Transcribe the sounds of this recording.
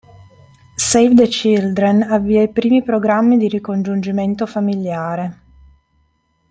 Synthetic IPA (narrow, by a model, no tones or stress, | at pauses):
sejvd̪et͡ʃild̪ɾenavːiɛipɾiːmipɾoɡɾamːid̪iɾikond͡ʒund͡ʒiment̪ofamiljaːɾe